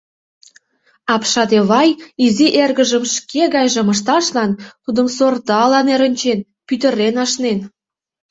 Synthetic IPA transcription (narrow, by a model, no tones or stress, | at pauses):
ɑpʃɑd̪eβɑjiziʔerɣə̆ʒə̆mʃkeɣɑjʒə̆mə̆ʃ̬t̪ɑʃlɑnt̪ud̪ə̆msort̪ɑlɑneɾə̆nʲt͡ɕen | pyt̪ə̆ɾenɑʃnen